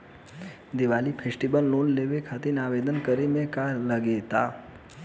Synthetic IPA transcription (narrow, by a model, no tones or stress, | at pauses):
d̪iʋalipʰesʈibəlnonleʋekʰat̪inaʋed̪ənkəɾemẽkaləɡet̪a